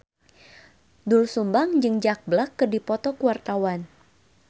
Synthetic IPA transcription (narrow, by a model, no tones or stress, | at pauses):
dulsumbaŋd͡ʒɨŋd͡ʒak̚blakːɨrdipɔt̪ɔkuwart̪awan